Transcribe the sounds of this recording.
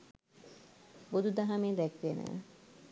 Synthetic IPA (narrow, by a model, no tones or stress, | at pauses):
bod̪ud̪aɦameːd̪ɛkʋenə̰